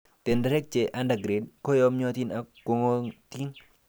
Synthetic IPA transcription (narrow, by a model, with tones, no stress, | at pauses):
t̪e˨nda˦ɾɛ˦k̚t͡ʃe˨ʔa˦nda˨ɡɾe˨d̚kɔ˦jɔ˦mɲɔ˦t̪i˦na˨kːo˨ŋo˦t̪i˦n